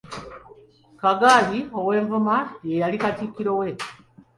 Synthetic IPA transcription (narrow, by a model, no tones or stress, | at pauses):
kaɡaːlio̞we̞ːɱvumajejalikatikiɾowe̞